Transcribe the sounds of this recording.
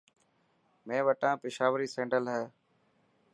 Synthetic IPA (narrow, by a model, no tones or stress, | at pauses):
mẽːʋəʈãːpɪʃaːʋəɾiːsẽːɳɖəlɦɛː